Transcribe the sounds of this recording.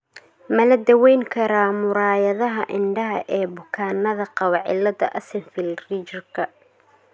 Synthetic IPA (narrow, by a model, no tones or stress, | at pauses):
mɐlɐd̪ɐwɛjŋkʰɐɾaːmʊɾaːjɐðɐɦɐʔɪɳɖɐɦɐ̰ʔɛːbʊkʰaːnːɐðɐqɑwɑʕɪ̰lɐd̪ɐʔɐsɪnfɪlrit͡ʃɪrkʰɐ